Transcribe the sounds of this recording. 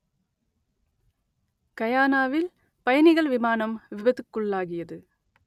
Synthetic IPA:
kɐjaːnaːʋɪl | pɐjɐnɪɣɐɭʋɪmaːnɐmʋɪbɐðɯkːɯɭːaːɣɪjɐðɯ

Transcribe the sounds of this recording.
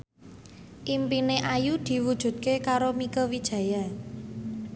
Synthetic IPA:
ʔimpineʔajud̪̥i̤wud̥ʒ̥ṳt̪̚kekaɾomikəwid̥ʒ̥ä̤ja

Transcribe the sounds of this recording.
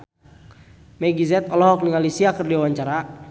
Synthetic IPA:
mɛɡizɛt̪ɔlɔɦɔk̚niŋalisiakərdiawaɲt͡ʃaɾa

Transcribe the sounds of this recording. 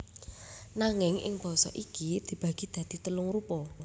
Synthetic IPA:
naŋɪŋʔɪ̰ŋb̥ɔ̤sɔ̰ʔikid̪̥i̤b̥a̤ɡ̥i̤d̪̥a̤d̪̥i̤t̪əlʊŋɾupɔ

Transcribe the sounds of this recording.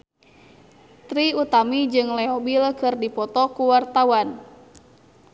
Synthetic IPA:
t̪ɾiut̪amid͡ʒɨŋlɛɔbilkɨrdipɔt̪ɔkuwart̪awan

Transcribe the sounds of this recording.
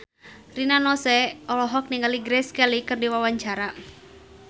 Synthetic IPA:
rinanɔsɛɔlɔɦɔk̚niŋɡaliɡɾɛskɛlikɨrdiwawaɲt͡ʃaɾa

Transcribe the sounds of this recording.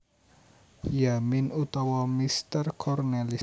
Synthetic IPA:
jaminut̪ɔwɔmist̪ərkʰɔrnɛli

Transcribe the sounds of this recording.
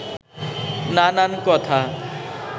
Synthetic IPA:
nanankɔt̪ʰa

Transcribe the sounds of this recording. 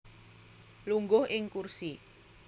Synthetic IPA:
luŋɡʊhʔɪŋkursi

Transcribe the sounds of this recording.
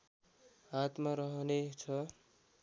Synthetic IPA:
ɦat̪maɾʌɦʌnet͡sʰʌ

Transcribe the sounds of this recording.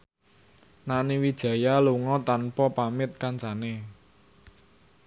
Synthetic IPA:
naniwid̥ʒ̥ä̤jaluŋɔt̪anpɔpamɪt̪̚kant͡ʃane

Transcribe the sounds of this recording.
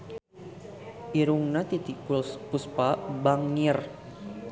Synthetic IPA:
ʔiɾuŋnat̪it̪ikpuspabaŋːir

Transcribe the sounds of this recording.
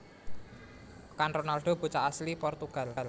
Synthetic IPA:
kanronalɖ̥o̤b̥ṳt͡ʃaʔaslipɔrt̪uɡ̥a̤l̤l

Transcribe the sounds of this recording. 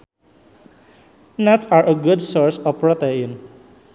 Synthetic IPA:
nɛtsaɹʔəɡudsɔɹsɔfpɹɔtɛĩn

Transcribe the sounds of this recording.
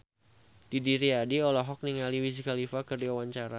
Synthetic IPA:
d̥idiɾiadiɔlɔɦɔk̚niŋaliwisikalifakərdiwawaɲt͡ʃaɾa

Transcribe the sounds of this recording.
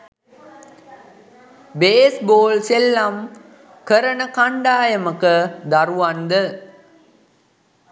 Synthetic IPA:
beːsboːlselːɐm | kəɾənəkaɳɖaːjɐməkəd̪ɐɾuʋɐnd̪ə

